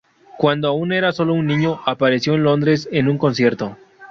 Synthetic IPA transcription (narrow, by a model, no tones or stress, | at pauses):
kwand̪oaune̞ɾaso̞lo̞unːĩɲo̞ʔapaɾe̞sjo̞enlo̞nd̪ɾe̞se̞nuŋko̞nsje̞ɾt̪o̞